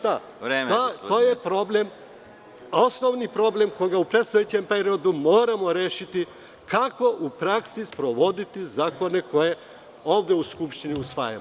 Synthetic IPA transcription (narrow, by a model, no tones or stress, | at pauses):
d̪a | ɾemao̞ːjepɾo̞ble̞m | o̞sno̞ʋnipɾo̞ble̞mkoɡaupɾet̪st̪ojet͡ɕe̞mpe̞ɾio̞d̪umo̞ːɾamo̞ɾe̞ːʃit̪i | kako̞ʔupɾaksispɾo̞ʋo̞d̪it̪izaːko̞ne̞ko̞je̞ | oːʋd̪euskupʃt̪iniusʋa̰ja̰m